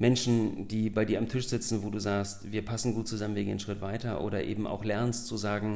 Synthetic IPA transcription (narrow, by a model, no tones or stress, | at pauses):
mɛnʃn̩d̥iːbaɪdiːɐʔamtʰɪʃz̥ɪt͡sn̩voːduːzaːkstv̥iːɐpʰasn̩ɡuːt̚t͡suzamənviɐɡeːnʃʁ̥ɪtv̥aɪtɐʔo̰ːɾɐʔeːbm̩ʔa̰ʊxlɛɐnstt͡suzaːɡŋ̩